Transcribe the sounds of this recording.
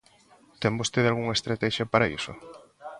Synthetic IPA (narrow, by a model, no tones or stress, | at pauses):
t̪embost̪eðalɣuŋɐest̪ɾat̪ɛʃjɐpaɾaḭsʊ̰